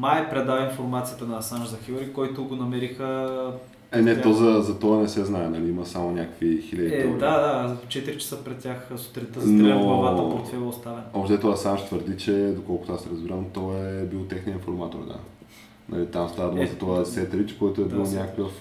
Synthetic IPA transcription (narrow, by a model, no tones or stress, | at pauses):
majpɾɛd̪avɐinfoɾmat̪sijət̪ənɐsanʒzɐxiɾikɔjt̪ʊɡonɐmɛɾixə | ɛnɛt̪ɔzɐzɐt̪ɔɐnɛsɛznaɛnɐliimɐsamonʲakəkvixilʲəd̪it̪ɛad̪at͡ʃɛt̪iɾit͡ʃɛ̥səpɾɛt̪tʲaxsʊ̥t̪ɾɛt̪əzɐnt̪oaɐvaəpoɾt̪fɛvˠʊst̪avɛnɔbʃt̪ɛt̪ɔasanʃt̪vəɾd̪it͡ʃɛd̪okɔlˠkʊt̪oasɛɾəzbiɾamt̪ɔɛbilˠt̪ɛxniəinfoɾmat̪o̰ɾd̪a̰ | nɐ̰lit̪amst̪avəd̪uməzɐt̪ɔasɛt̪ɾit͡ʃkɔjt̪ʊɛb̪bilˠnʲakəkəf